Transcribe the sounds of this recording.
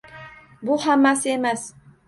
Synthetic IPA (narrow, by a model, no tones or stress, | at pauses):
bʊhamːasɪe̞mas